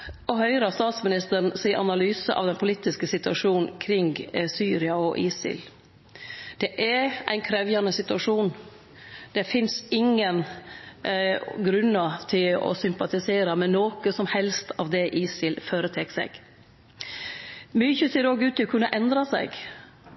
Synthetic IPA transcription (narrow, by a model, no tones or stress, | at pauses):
ɔɦœʏɾɑst̪ɑːt̪smɪnɪst̪əɾn̩siːʔɑ̰nɑlyːsəʔɑ̰ʋd̪ɛnpʰʊliːt̪ɪskəsɪt̪ʉɑʂuːnn̩kʰɾɪŋɡsyːɾɪɑɔʔiːsɪ̰l | d̪̥ɛʔæɾʔæ̰ɪnkʰɾɛʋjɑnəsɪt̪ʉɑʂuːn | d̪̥ɛfɪnsɪŋən | ɡɾʉnːɑt̪ʰɪlɔ̰sʏmpɑt̪ɪseːɾɑmɛnnoːkəsɔmhɛlst̪ʰɑʋd̪ɛʔiːsɪlføːɾət̪ʰɛksɛ̰ɡ̥ | mʏçəseːɾoːɡʉːt̪ːɪlɔkʰʉnːəʔɛnd̪ɾɑsæ̰ɪɡ